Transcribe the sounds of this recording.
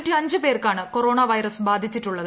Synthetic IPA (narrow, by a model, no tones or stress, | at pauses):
ʈːiɐɲd͡ʑɨpe̞ːrkaːɳɨko̞ɾo̞ːɳɐʋɐjɾɐsbaːd̪ʱit͡ɕːiʈːuɭːɐðɨ